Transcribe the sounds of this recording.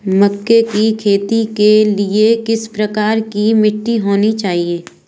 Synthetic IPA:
mʊkːekikʰeːt̪ikeliekɪspɾɐkaːɾkimɪʈːiɦoːnit͡ʃaːɦieː

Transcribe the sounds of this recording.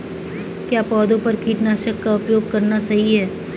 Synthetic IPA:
kjaːpɔːd̪õpɐɾkiːʈnaːʃəkːaʊpjoːɡ̚kɐɾnasɐɦiɦɛː

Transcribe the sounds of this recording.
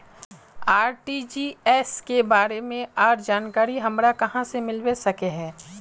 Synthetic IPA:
aːɾʈid͡ʒiːɛːskebaːɾemẽaːɾd͡ʒaːnkaːɾiɦɐmɾakɐɦãsemɪlwesɐkeɦɛ̃ː

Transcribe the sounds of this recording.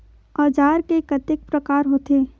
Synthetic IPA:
ɔːd͡ʒaːɾkekɐt̪ɪk̚pɾəkaːɾɦoːt̪eː

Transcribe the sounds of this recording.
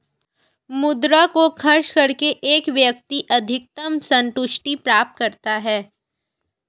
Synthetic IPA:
mʊd̪ɾakokʰɐɾʃkɐɾkeʔeːkʋjɐk̚t̪iʔɐd̪ʱɪk̚t̪əmsɐ̃nt̪ʊʃʈipɾaːp̚t̪̚kɐɾt̪aɦɛː

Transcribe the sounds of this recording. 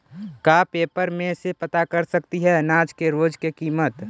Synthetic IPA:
kapeːpəɾmẽsepət̪akəɾsəkt̪iɦɛːnaːd͡ʒkeɾoːd͡ʒkekiːmət̪

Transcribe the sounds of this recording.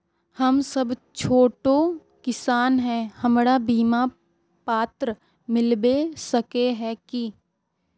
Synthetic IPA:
hɐmsɐbt͡ʃʰoːʈõ | kɪsaːnɦɛ̃ːhɐmɾabiːma | paːt̪ɾə | mɪlbesɐkeɦɛki

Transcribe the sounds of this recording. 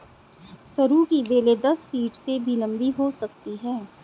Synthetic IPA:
sɐɾukibeːled̪ɐsfiːʈsebʱilɐ̃mbʱiɦosɐk̚t̪iɦɛː

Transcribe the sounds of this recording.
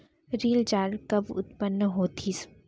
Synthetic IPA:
ɾiːld͡ʒaːɾkɐbʊ̰t̪̚pənːəɦoːt̪ʰiːs

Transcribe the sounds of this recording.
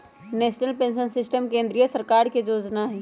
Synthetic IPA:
neːʃnəlpẽːnʃənsɪsʈəmkẽːnd̪ɾijəsəɾkaːɾked͡ʒoːd͡ʒnaɦɛː

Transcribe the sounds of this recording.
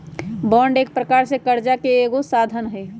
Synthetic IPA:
bɔːɳɖeːk̚pɾəkaːɾsekəɾd͡ʒakeːɡosaːd̪ʱənɦɛ

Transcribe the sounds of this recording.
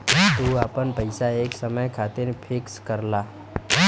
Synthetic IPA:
t̪uːaːpənpəɪsaeːksəməjkʰaːt̪enepʰɪkskəɾlaː

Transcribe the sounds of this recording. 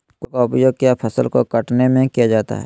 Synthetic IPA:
kokaʊpjoɡ̚kjapʰəsəlkokəʈnemẽkijad͡ʒaːt̪a̰ɦɛ̰ː

